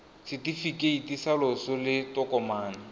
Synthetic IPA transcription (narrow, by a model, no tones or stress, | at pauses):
sɪtifikʼeitisalɔsɔlɪtɔkʼɔmaːna